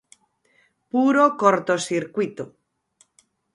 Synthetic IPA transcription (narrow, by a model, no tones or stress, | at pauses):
puɾokoɾt̪osiɾkwit̪o